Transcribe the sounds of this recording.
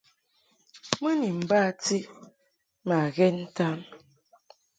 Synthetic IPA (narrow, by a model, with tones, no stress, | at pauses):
mə˦ni˨m̩˨ba˦˨ti˦ʔ | ma˨ɣɛ˦n̩˦ta˦n